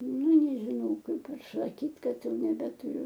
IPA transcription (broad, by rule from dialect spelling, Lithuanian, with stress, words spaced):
nʲɛ nʲɛʒʲɪˈnɐʊ ˈkɐɪp ɪr sɐˈkʲiːtʲ ˈkɐt ˈjɛʊ nʲɛbʲɛtʊˈrʲʊ